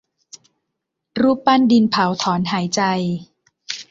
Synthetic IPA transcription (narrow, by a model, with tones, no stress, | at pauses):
ɾuː˥˩pːa˥˩ndi˧npʰa˩˦wt̪ʰɔː˩˦nɦaː˩˦jt͡ɕa˧j